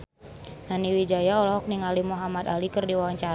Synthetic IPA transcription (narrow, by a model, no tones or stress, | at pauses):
naniwid͡ʒajaɔlɔɦɔk̚niŋalimuɦamad̪alikɨrdiwawaɲt͡ʃaɾ